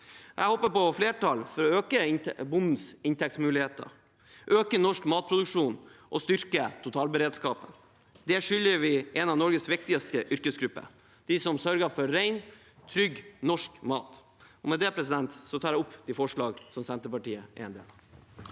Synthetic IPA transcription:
ʔɛ̰hɔːpəpɔfleːʈɑlfɔɾɔøːkəbʊnd̪n̩sɪnt̪ʰɛkt̪smʉːlɪheːt̪ə̰ɾ | ʔøːkənɔʂkmɑːt̪̚pʰɾʊd̪ʉkʂuːnʔɔst̪ʏɾkət̪ʰʊt̪ʰɑːlbəɾeːd̪skɑːpə | d̪ɛʂʏljəʋɪʔɛnɑʋnɔɾɡəsʋɪk̚t̪ɪəst̪əʔʏɾkəsɡɾʉpːə̰ | d̪̥ɪsɔmsœɾɡəfɔɾːæɪn | t̪ʰɾʏɡnɔʂkmɑ̰ːt̪ | ɔmɛd̪ɛpʰɾɛsɪd̪ɛnt̪sɔt̪ʰɑːɾæɪʊpːd̪ɪfɔʂɭɑːɡsɔmsɛnt̪əpɑʈiːəʔɛ̰ɛnd̪ḛːlɑ

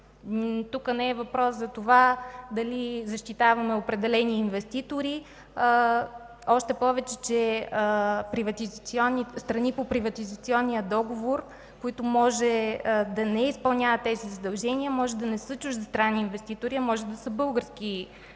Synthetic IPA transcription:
t̪ukənɛɛvɐpɾɔszɐt̪ovad̪ɐlizɐʃt̪it̪avɐmɛopɾɛd̪ɛlɛniːnvɛst̪it̪oɾi | ɔʃt̪ɛpɔvɛt͡ʃɛt͡ʃɛ | pɾivɐt̪it̪siɔnːist̪ɾɐnipopɾivɐt̪izɐt̪siɔnːijəd̪ɔɡovoɾ | koit̪omɔʒɛd̪ɐnɛispɐlˠnʲjavət̪ːɛzizɐd̪ɐlˠʒɛniəmɔʒɛd̪ɐnɛsət͡ʃuʒzɐst̪ɾanːiːnvɛst̪it̪oɾiɐmɔʒɛd̪ɐsəbɤlˠɡəɾsk̟i

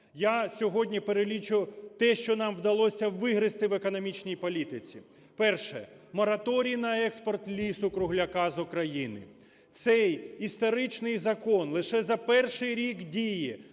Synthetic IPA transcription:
jasʲɔɦɔdʲnʲipeɾelʲit͡ʃʊʊt̪ɛʃt͡ʃɔnɑmʋd̪ɐlˠɔsʲɐʋɪɦɾɪst̪ɪʋekɔnɔmʲit͡ʃnʲijpɔlʲit̪ɪt͡sʲḭ | pɛrʃɛ̰ | mɔɾɐt̪ɔɾʲijnɐɛkspɔrt̪lʲisʊkɾʊɦlʲɐkɑzʊkɾɐjinɪ̰ | t̪sɛjist̪ɔɾɪt͡ʃnɪjzɐkɔnlˠɪʃɛzɐpɛrʃɪjɾʲikdʲiji

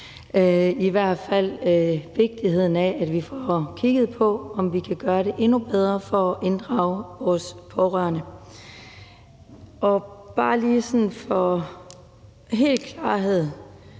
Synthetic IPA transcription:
øiʋæɐ̰d̥fæl̰øʋe̝ɡ̥̚d̥ihe̝ð̞̰ˠn̩ææd̥ʋifɒkʰiɡ̥ð̞̩ˠpʰɒ̽ɒ̽mʋikʰæɡ̥ɶːɐɾe̝ʔe̝nub̥eð̞ˠʁɐfɒ̽ʔe̝nd̥ʁɑ̈ʊʋɒːspʰɒʁɶɐnə | ʔɒ̽b̥ɑ̈ːliːsɒ̽nfɒ̽ | ɦe̝̰ːlkʰlɑ̈ːɦe̝ð̰ˠ

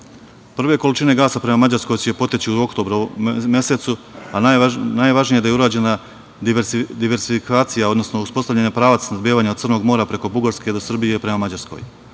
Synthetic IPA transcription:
pr̩ʋe̞ko̞lit͡ʃine̞ɡaːsapɾe̞mamad͡ʑaɾsko̞jsepo̞t̪jet͡ɕiuo̞kt̪o̞ːbɾome̞set̪suananajʋaʒnijed̪ajeuɾaːd͡ʑe̞na | ʋeɾd̪iʋeɾsifikaːt̪sijao̞d̪no̞snouspo̞st̪aʋʎʲeɲapɾaːʋat̪snad̪bjeʋaːɲaod̪rnoɡmo̞ːɾapɾe̞ko̞buɡaɾske̞d̪o̞sr̩bijepɾe̞mamad͡ʑaɾsko̞̰j

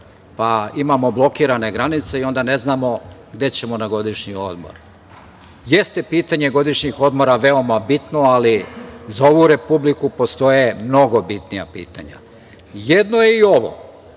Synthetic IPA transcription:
paimamo̞blˠo̞kiːɾane̞ɡɾanit̪se̞io̞nd̪ane̞znamo̞ɡd̪e̞t͡ɕe̞mo̞naɡo̞d̪iʃɲio̞̰d̪mo̰ɾ | je̞st̪e̞piːt̪aɲe̞ɡo̞d̪iʃɲixo̞d̪mo̞ɾaʋe̞o̞mabit̪no̞alizao̞ʋuɾe̞publikupo̞st̪o̞je̞mno̞ɡo̞bit̪nija̰pḭːt̪a̰ɲa̰ | je̞d̪nojeio̞ʋo̰

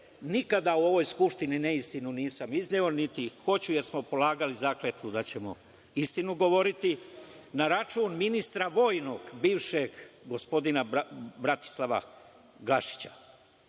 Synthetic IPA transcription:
nikad̪auo̞ʋo̞jskupʃt̪ininɛist̪inuniːsamizneo̞nit̪ixo̞t͡ɕuje̞ɾsmo̞po̞laːɡalizaːklet̪ud̪at͡ɕe̞mo̰ | ist̪inuɡo̞ʋo̞ɾit̪i | naɾat͡ʃuːnminist̪ɾaʋo̞ːjnoɡbiːʋʃeɡɡo̞spo̞d̪inabɾat̪i̥slˠaʋa̰ | ɡlaʃi̥t͡ɕḁ̰

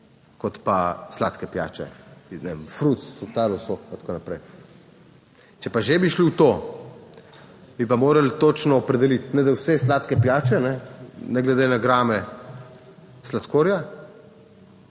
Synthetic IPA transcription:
kɔt̪paslaːt̪kɛpja̰ːt͡ʃɛ̰inɛ̰mfɾut̪sfut̪aːlɔsok̚pat̪ḁkoːnapɾɛj | t͡ʃɛpaʒebiʃliwt̪o | bipamoːɾɐlt̪oːt͡ʃnɔːpɾɛd̪ɛlit̪nɛd̪awsɛslaːt̪kɛpjaːt͡ʃɛnɛnɛɡlɛd̪enaɡɾaːmɛ | slat̪koːɾja

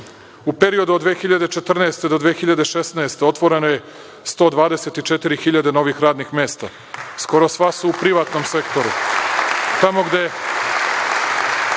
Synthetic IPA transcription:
upe̞ɾio̞d̪uod̪ʋeːxiʎad̪e̞t͡ʃe̞t̪r̩nɛːst̪e̞d̪od̪ʋeːxiʎad̪eʃesnaest̪eot̪ʋo̞ɾe̞noje̞ | st̪o̞ːd̪ʋaːd̪ese̞t̪it͡ʃet̪iɾixiʎad̪eno̞ʋixɾaːd̪nixme̞ːst̪a̰ | sko̞ɾo̞sʋasuupɾiʋaːt̪no̞mse̞kt̪o̞ɾṵ | t̪amo̞ɡd̪e̞

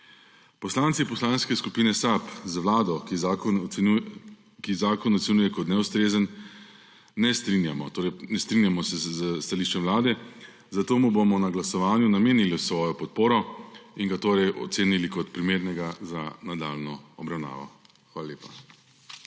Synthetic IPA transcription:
pɔslaːnt̪sipɔslaːnskɛskupiːnɛsapzʋlaːd̪ɔki | u | kizaːkɔnɔt̪sɛnuːjɛkɔt̪nɛust̪ɾeːzənː | ɛst̪ɾinjamɔt̪oːɾɛjnɛst̪ɾinjamɔsɛzəst̪aliːʃt͡ʃɛmʋlaːd̪ɛ | zat̪oːmubomɔnaɡlasɔʋaːnjunameːniliwsʋɔːjɔpɔt̪̚poːɾɔiŋɡat̪oːɾɛjʔɔ̰t̪seːnilikɔt̪pɾimeːɾnɛɡazanad̪a̰lnɔɔbɾawna̰ːʋɔ̰ | xʋaːlaleːpḁ

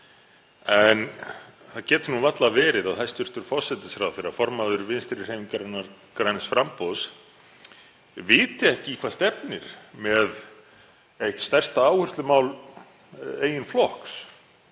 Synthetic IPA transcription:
ɛn | θaðcɛːt̪ʏnunvat̪lavɛːɾɪðawθajst̪ʏr̥t̪ʏɾ̥fɔ̥sɛt̪ɪ̥sɾawðθfɪɾafɔɾmaðʏɾvɪnst̪ɪɾɪɾ̥ejmiŋkaɾnːa | kɾajnɪsfɾampows | vɪːt̪ɪɛhcɪkʰvḁːst̪ɛpnɪɾ̥mɛð | ejht̪st̪ɛr̥st̪aaːwhʏrst̪lʏmaːwl | eːjɪnflɔhks

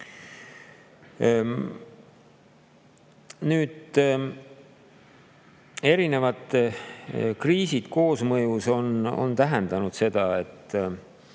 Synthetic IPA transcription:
nyːd̪̥ | e̞ɾine̞vɑt̪ˑ | kriːsid̪̥ko̞ːsmɤjuso̞no̰nt̪æɦend̪̥ɑnud̪̥se̞d̪̥ɑe̞t̪ː

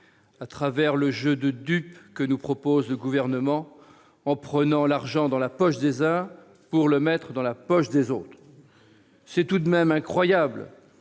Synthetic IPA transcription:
at̪χavɛʁləʒød̪əd̪ypkənupχɔpozləɡuvɛʁnəmɑ̃ | ɑ̃pχənɑ̃laʁʒɑ̃d̪ɑ̃lapɔʃd̪ezɛ̃ | puʁləmɛt̪χəd̪ɑ̃lapɔʃd̪ezot̪χ | sɛt̪ud̪mɛmɛ̃kχwajabl

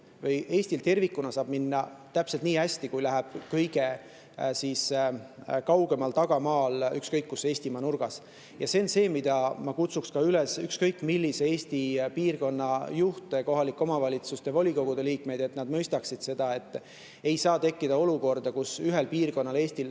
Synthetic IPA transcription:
vɤjʔe̞ːsʲt̪ilt̪e̞rvikːˑunɑsɑːb̥minːɑt̪æpse̞lt̪niːæsʲt̪ikujlæɦæb̥kɤjɡ̥e̞ | siːs | kɑwɡe̞mɑlt̪ɑɡ̥ɑmɑːlykskɤjkːuse̞ːsʲt̪imɑnurɡ̥ɑs | jɑse̞onse̞ːmid̪̥ɑmɑkut̪sukskɑylesykskɤjkːˑmilːise̞eːsʲt̪ipiːrko̞nːɑjuht̪e̞ko̞ɦɑlikˑːo̞mɑvɑlʲit̪sust̪evo̞lʲiko̞ɡ̥ud̪̥e̞liːkme̞jd̪e̞t̪nɑd̪̥mɤjst̪ɑksid̪̥se̞d̪̥ɑe̞t̪ˑː | e̞jsɑːt̪e̞kːid̪ɑo̞luko̞rd̪̥ɑkusyɦe̞lpiːrko̞nːɑleːsʲt̪il

